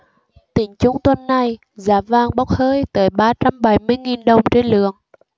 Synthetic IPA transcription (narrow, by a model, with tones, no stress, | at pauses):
t̪ï˨˩ŋt͡ɕʊ˧˦ŋ͡mt̪wə˧nːa˨˩j | zaː˨˦vaː˧ŋɓa˦˥wk͡p̚həː˧jt̪əː˨˦jɓaː˧t͡ɕa˧mɓa˨˩˦jmɨ˧əjŋi˨˩nɗə˨˩wŋ͡mt͡ɕe˧nlɨ̰˧˩˨əŋ